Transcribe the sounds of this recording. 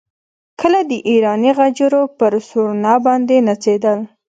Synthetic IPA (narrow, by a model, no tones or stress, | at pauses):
kʰəlad̪əʔiɾɑniɣad͡ʒɾopəɾsuɾnɑbɑnd̪enat͡sed̪əl